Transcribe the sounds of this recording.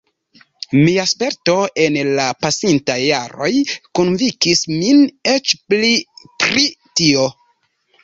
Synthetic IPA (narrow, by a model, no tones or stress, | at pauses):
miaspe̞ɾto̞e̞nlapasintajːaɾo̞̰jkonvikisminet͡ʃplipɾitio̞